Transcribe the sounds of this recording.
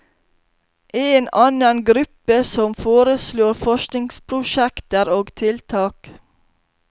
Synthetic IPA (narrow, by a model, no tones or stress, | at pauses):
ʔeːnɑnɑnɡɾʉpəsɔmfoːɾəsloːɾfɔʃknɪŋspʰɾʊʃɛkt̪əɾoːɡt̪ʰɪlt̪ʰɑːk